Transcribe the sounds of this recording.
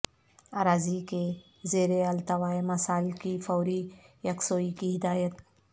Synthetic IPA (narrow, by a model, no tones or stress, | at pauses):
aːɾaːzike | zeːɾeɐlt̪ɐwaːemɐsaːlkifɔːɾijɐksoːikiɦɪd̪aːjət̪